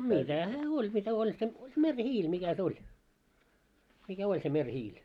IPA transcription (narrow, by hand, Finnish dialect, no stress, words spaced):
mitæ hæː olʲ mitæ olʲ se merʲhiːl mikæ se olʲ mikæ olʲ se merʲhiːl